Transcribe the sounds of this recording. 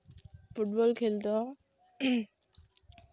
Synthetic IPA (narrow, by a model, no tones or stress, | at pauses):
fuʈ̚bɔlkʰelt̪ɔ